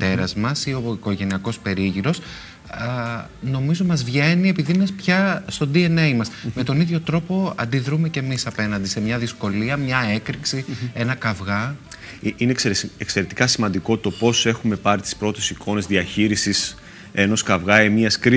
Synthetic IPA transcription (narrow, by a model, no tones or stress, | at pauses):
t̪e̞ɾɐzmɐsio̞iko̞ʝe̞niɐko̞spe̞ɾiʝiɾo̞s | no̞mizo̞mɐzvʝe̞nie̞piðinɐspçɐst̪o̞d̪ienejmɐsme̞t̪o̞niðʝo̞t̪ɾo̞po̞ɐ̰nd̪iðɾume̞ce̞misɐpe̞nɐnd̪ise̞mɲɐðisko̞liɐmɲɐekɾiksie̞nɐkɐvɣɐ | iineekse̞ɾet̪i̥kɐsimɐnd̪iko̞t̪o̞po̞se̞xume̞pɐɾit̪i̥spɾo̞t̪e̞sikʰo̞ne̞zðiɐçiɾisis | eno̞skɐvɣɐemiɐskɾi